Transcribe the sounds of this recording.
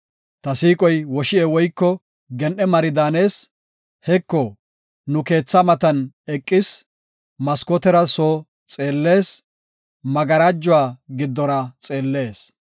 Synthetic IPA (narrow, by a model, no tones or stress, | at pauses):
t̪ɐsiːkʼɔjwɔʃɪɛwɔjkːɔ | ɡɛnʔɛmɐɾɪd̪aːne̞ːs | hɛkːɔ | nʊke̞ːt͡sːɐmɐt̪ɐn | ɛkʼːɪs | mɐskɔt̪ɛɾɐsoː | t͡sʼe̞ːlːe̞ːs | mɐɡɐɾad͡ʒːʊwaːɡɪd̪ːɔɾɐt͡sʼe̞ːlːe̞ːs